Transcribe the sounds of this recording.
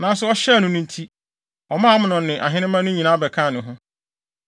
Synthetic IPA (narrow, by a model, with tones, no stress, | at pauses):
nã˨˦n˦sʊ˨˦ɔ˦ɕɛ˦˨nʊ̃˨nʊ̃˦n̩˦tʰi˦ | ɔ˨mãː˦mʊ̃˦nʊ̃˨nɪ̃˨ʔa˨ɦɪ̃˦nɪ̃˦mã˦nʊ̃˦ɲĩ˨nã˦bɛ˨kʰã˦˨nʊ̃˨ɦʊ̃˦